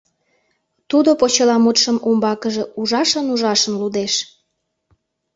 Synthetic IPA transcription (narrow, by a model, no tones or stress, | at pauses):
t̪ud̪opot͡ɕəlɑmut̪ʃəmumbɑkəʒĕuʒɑʃənuʒɑʃə̆mlud̪eʃ